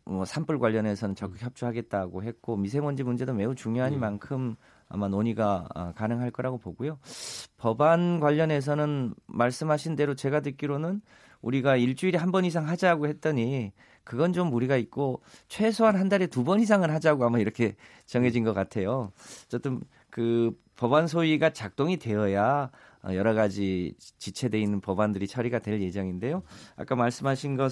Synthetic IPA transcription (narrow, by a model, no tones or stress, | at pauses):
mʌsʰamp͈ʰɯɭɡwaʎːʌne̞sʰʌnɯnt͡ɕʌk͈ɯ̥kçjʌp̚t͡ɕ͈uɦaɡe̞t̚t͈aɡoɦe̞k͈omis̬ʰe̞mʌnd͡ʑimund͡ʑe̞dome̞ut͡ɕuŋjoɦaɲimankʰɯm | a̰manoɲiɡaʌ̰kanɯŋɦaɭk͈ʌɾaɡopoɡujopʌbanɡwaʎːʌne̞s̬ʰʌnɯnmaɭs͈ɯmɦaɕʰinde̞ɾot͡ɕe̞ɡadɯk͈iɾonɯn | uɾiɡaiɭt͡ɕ͈uiɾiɦambʌnis̬ʰaŋɦad͡ʑaɡohe̞t̚t͈ʌɲi | kɯɡʌnt͡ɕomuɾiɡait̚k͈ot͡ɕʰwe̞sʰoɦanɦandaɾe̞tubʌnɦis̬ʰaŋɯɭɦad͡ʑaɡoamaiɾʌkʰe̞ | t͡ɕʌŋɦed͡ʑinɡʌk͈atʰe̞jot͡ɕ͈ʌt͈ɯn | kɯ | pʌbansʰoiɡat͡ɕak̚t͈oŋite̞ʌja | ʌ̰jʌɾʌɣad͡ʑit͡ɕit͡ɕʰe̞de̞inːɯnpʌbandɯɾit͡ɕʰʌɾiɡadwe̞ɭje̞d͡ʑʌŋinde̞joa̰k͈amaɭs͈ɯmɦaɕʰinɡʌ